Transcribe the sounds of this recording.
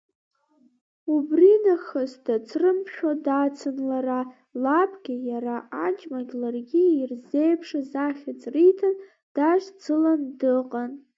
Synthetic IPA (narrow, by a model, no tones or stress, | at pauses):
ubrinaχazdat͡sʰrɨmʃᶣadat͡sʰɨnlara | lapʰʼɡʲɪjaɾaad͡ʒʼmaɡʲlarɡʲiːrze̞jpʰʂɨzaχʲat͡sʼrijtʰan | d̥aʒt͡sʰɨlandɨqʼan